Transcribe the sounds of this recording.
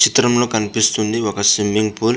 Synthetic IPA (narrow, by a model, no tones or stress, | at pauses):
t͡ʃit̪ɾəmlokanpist̪undiwakasimiŋpul